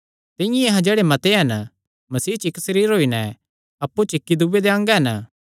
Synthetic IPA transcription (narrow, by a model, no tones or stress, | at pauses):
t̪ɪ̃jẽɐɦãd͡ʒeːɽemɐt̪eɦɐnə | mɐsiːt͡ʃɪksɐɾiːɾɦoːinɛ | ɐpːut͡ʃɪkːid̪ubed̪eɐ̃ŋɡɦɐnə